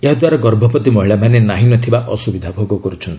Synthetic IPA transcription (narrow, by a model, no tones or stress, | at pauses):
eɦad̪waɾaɡɔɾbʱɔpɔt̪imɔɦiɭamanenaɦinɔt̪ʰibaʔɔsubid̪ʱabʱoɡɔkɔɾut͡ʃʰɔnt̪i